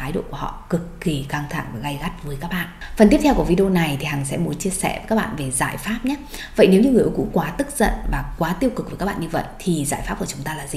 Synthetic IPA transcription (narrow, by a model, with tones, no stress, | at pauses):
aː˨˦jɗo̰˧˨ku˧˩əhɔ̰˧˨kɨ˨˩kːi˨˩ka˧ŋt̪ʰa̰˧˩ŋvaː˨˩ɣa˧jɣa˦˥t̚vəː˨˦jkaː˦˥k̚ɓa̰ː˧˨ʔfə˨˩nt̪i˦˥t̪ʰwku˧˩vi˧ɗo˧na˨˩jt̪ʰi˨˩ha˨˩ŋsɛ̰˧˥mu˨˦nt͡ɕi˧əsɛ̰˧˩˨ka˦˥ɓa̰ː˧˨nve˨˩za̰ː˧˨jfaː˦˥p̚ɲaː˨˦və̰˧˨jne˨˦wɲɨ˧ŋɨ˨˩əʔkṵ˧˥˦kwaː˨˦t̪ɨ˦˥k̚zə̰˧˨nvaː˨˩kwaː˨˦t̪i˧əwkɨ˨˩k̚vkaː˦˥ɓa̰ː˧˨ɲɨ˧və̰˧˨jʔt̪ʰi˨˩za̰ː˧˩jfa˦˥p̚kə˨t͡ɕʊ˨˦ŋ͡mt̪aː˧laː˨˩zi˨˩